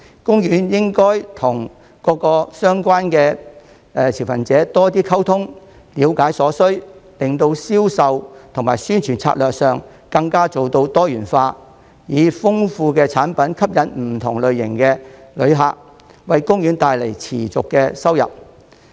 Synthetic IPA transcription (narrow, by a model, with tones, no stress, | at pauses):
kʊ˥ŋjyː˨˥njɪ˥ŋkɔː˥jt̪ʰʊ˨˩ŋ | kɔː˨˧kɔː˧sœː˥ŋkʷaː˥nkɛː˧ | ɛː˨t͡sʰiː˨˩wfɐ̰˨˩nt͡sɛː˨˥t̪ɔː˥t̪iː˥kʰɐ˥wt̪ʰʊ˥ŋ | liː˨˧wkaː˨˥jsɔː˨˥sɵ˥ɥlɪ˨ŋt̪o˧wsiː˥wsɐ˨˧wt̪ʰʊ˨˩ŋmaː˨˩jsyː˥nt͡ʃʰyː˨˩nt͡sʰa̰ː˧t̚lœː˨k̚sœː˨ŋ | kɐ˧ŋkaː˥t͡so˨wt̪o˧wt̪ɔː˥jyː˨˩nfaː˧ | jiː˨˧fʊ˥ŋfuː˧kɛː˧t͡sʰaː˨˥npɐ˨˥nkʰɐ˥p̚jɐ˨˥nm̩˨˩t̪ʰʊ˨˩ŋlɵ˨ɥjɪ̰˨˩ŋkɛː˧lɵ˨˧ɥɦaː˨˧k̚ | wɐ˨jkʊ˥ŋjyː˨˧˥nt̪aː˨jle˨˩jt͡sʰiː˨˩t͡sʊ˨kːɛ˧sɐ˥wjɐ̰˨p̚